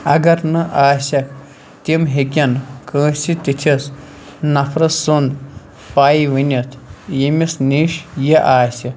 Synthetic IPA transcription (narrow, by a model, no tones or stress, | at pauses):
ɐɡɐɾnɨʔaːsʲɐk | t̪ʲemɦeɡʲɐnkə̃ːsit̪ʲit̪ʲʰes | nɐpʰɾɨsund̪ | paːjiʋɨnʲɐt̪ʰjemʲisniʃjeʔaːsʲi